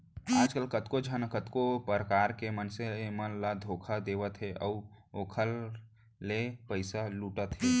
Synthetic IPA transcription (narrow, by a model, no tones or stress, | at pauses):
aːd͡ʒkəlkət̪kod͡ʒʱənkət̪kopəɾəkaːɾkemənsemənlad̪ʱoːkʰad̪eːʋət̪ɦeʔəoːkʰəlː | epəɪsaluːʈət̪ɦe